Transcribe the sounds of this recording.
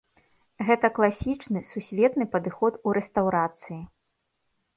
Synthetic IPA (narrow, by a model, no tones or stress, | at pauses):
ɣɛt̪ɐklˠasʲit͡ʂnɨsusʲvʲɛt̪nɨpɐd̪ɨxɔt̪uɾɛst̪awɾat̪sɨji